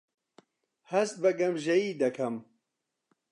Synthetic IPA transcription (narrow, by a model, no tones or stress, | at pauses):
hɐst̪̚bɐɡɐmʒɐjiːd̪ɐkʰɐm